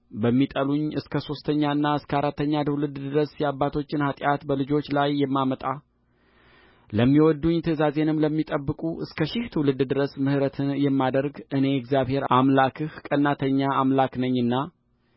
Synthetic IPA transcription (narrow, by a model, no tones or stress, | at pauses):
bəmːit̪ʼəluɲɨskʰəso̞st̪ʰəɲːaɨnːaɨskəaɾat̪ːəɲːad̪ʰɨwlɨd̪d̪ɨɾəsjɛabːat̪ʰo̞t͡ʃːɪnhat̪ʼjat̪bəlɨd͡ʒo̞t͡ʃːlajːɛmːamət̪ʼa | ləmːiwɔd̪ːuɲːt̪ʰəzaze̞nɨmləmːit̪ʼəbːɨkʼuʔɨskʰəʃɪht̪ʰɨwlɨd̪d̪ɨɾəsmɨhɨɾət̪ʰɨnjɛmːad̪əɾɡʔɨne̞ɛkzjaβhe̞ɾʔamlakʰɨhkʼənːat̪ʰəɲːaamlaknəɲːɨnːa